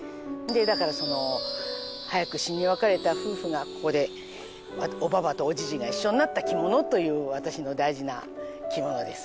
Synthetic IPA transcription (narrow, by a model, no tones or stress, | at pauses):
d̪e̞d̪akaɾaso̞no̞ | hajakɯ̟ɕiɲːiβakaɾe̞t̪aɸɯ̟ːɸɯ̟ɡako̞̥ko̞d̪e̞ | aobaβat̪o̞ːd͡ʑiʑiɡaiɕːo̞ɲinat̪ːakʲimo̞no̞t̪o̞jɯ̟ːβat̪aɕino̞d̪aiʑina̰kʲimo̞no̞d̪e̞sɨ̥